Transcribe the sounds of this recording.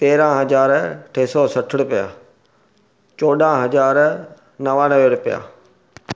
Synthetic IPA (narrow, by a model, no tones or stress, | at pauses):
t̪eːɾãɦɐzaːɾʈʰeːsɔsɐʈʰɪɽ̃ʊpɪja̰ː | t͡ɕoːɗãɦɐzaːɾ | nɐʋãnɐʋeɽʊpɪja̰ː